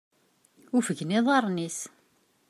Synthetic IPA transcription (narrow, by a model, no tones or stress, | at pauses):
ufəʝnɪðˤɑɾˤnis